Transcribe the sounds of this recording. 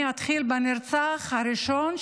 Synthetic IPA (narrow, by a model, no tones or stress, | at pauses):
at̪χilbeniɾt͡saχhaɾiʃon